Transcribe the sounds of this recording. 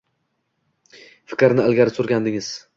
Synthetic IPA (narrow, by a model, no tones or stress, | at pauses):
fɪ̥kʲɾnɪlɡʲaɾɪsoɾɡʲand̪ɪŋɪz̥